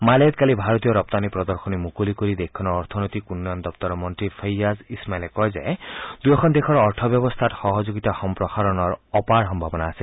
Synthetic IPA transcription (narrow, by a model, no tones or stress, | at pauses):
malet̪kalibʱaɾɔt̪ijɔɾɔp̚t̪anipɾɔd̪ɔɾxɔnimukulikoɾid̪ekʰːɔnɔɹɔɾt̪ʰɔnɔt̪ikunːɔnd̪ɔpt̪ɔɾɔmɔnt̪ɾipʰejazismajlekɔjzajd̪̥ujɔkʰɔnd̪ekʰɔɾɔɹt̪ʰɔbjɔbɔst̪ʰatxɔɦɔd͡ʒoɡit̪axɔmpɾɔxaɾɔnɔɹɔpaɹxɔmbʱabɔnaːsil